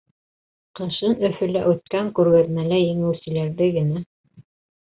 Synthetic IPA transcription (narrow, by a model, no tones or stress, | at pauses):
qɤ̆ʃɤnɵ̆fɵ̆læʔʉt̪̚kæŋkʉɾɡæðmælæjɘ̆ŋɘ̆wsɘ̆læɾðɘɡɘ̆næ